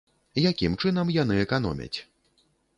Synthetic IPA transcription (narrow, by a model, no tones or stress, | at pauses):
jakʲimt͡ʂɨn̪ɐmjan̪ɨɛkanɔ̰mʲɐ̰t͡sʲ